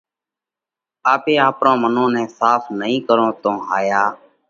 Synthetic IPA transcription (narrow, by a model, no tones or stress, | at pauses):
aːpeːaːpɾõːmənõːnɛ̃ːsaːfʰnəɦĩːkəɾõːt̪õːɦaːjaː